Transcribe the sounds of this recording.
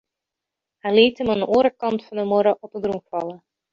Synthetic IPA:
hɛliːtəməndəʔuːɾəkɑntfɑndəmɔɾəʔɔp̚ədrumfɑlə

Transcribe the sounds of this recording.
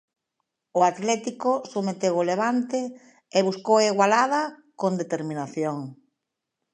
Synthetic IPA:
ʊat̪lɛt̪ikʊsumet̪ewoleβ̞ant̪ɪ | eβuskowaiɣwalaðɐkond̪et̪eɾmĩnaθjoŋ

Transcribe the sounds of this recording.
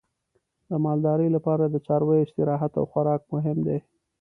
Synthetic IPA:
d̪əmɑld̪ɑɾəjlapɑɾad̪ət͡ʃɑɾwejɪʃt̪ɪɾɑɦat̪a̰wxwaɾɑk̚mʊɦɪmd̪e

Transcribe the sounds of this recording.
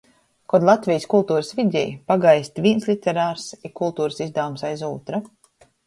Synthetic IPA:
kɔd̪lˠat̪vʲijskulˠt̪uːɾəsvʲid̪ʲɛ̰jpaɡajsʲt̪ʲvʲiɛnslʲˠit̪ʲɛɾaːɾsikulˠt̪uːɾəsizd̪awumsajzuːt̪ɾa

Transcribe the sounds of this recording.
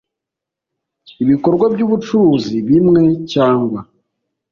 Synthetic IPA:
iβiko̞ɾɡwabɟuːβut͡ʃuuːziβimŋe̞caːŋɡwa

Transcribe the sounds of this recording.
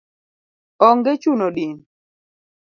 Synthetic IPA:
ɔŋɡet͡ʃunoɗin

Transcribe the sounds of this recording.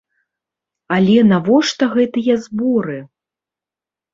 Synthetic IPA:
alʲɛnavɔʂt̪ɐɣɛt̪ɨjɐzbɔɾɨ

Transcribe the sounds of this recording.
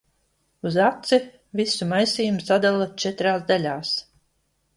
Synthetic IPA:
uzat̪si | visumajsiːjumsad̪alˠat͡ʃɛt̪ɾaːzd̪alʲaːs

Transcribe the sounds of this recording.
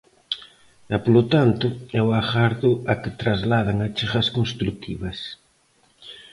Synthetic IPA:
ɛpolʊt̪ant̪ʊɛwaxaɾðʊɐkɪt̪ɾazlaðɐŋat͡ʃiχɐskonst̪ɾut̪ʰḭβɐs

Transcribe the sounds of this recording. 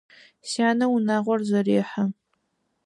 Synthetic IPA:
saːnɐwunaːʁʷɔrzɐɾeːħɐ

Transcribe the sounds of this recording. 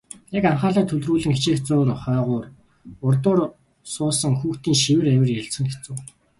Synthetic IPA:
ekaɴχaːɮaːt̪ʰɵɮt̪ruːɮɘ̆ŋxit͡ɕeːkt͡sʊːrχœːʁʊːr | ʊrt̪ʊːr | sʊːsə̆ŋxuːxt̪iːŋʃiwɘ̆ræwʲɪ̆rjæɮsə̆ŋxet͡sŭw

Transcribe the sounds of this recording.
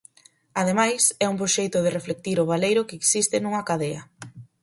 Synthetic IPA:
aðemajsɛumpɾoʃejt̪ʊð̞ɪreflek̚t̪iɾʊβ̞alejɾʊkeːksist̪ɪnuŋɐkaðeɐ

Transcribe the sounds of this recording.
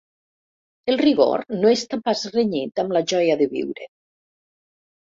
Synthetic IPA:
elˠriɣo̰ɾnoest̪ampazreɲit̪amlaʒɔjaðəβḭwɾe

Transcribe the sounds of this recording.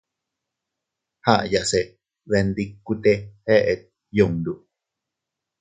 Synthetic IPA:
haʔjase | βend̪ikːut̪eheʔet̪̚ | jondu

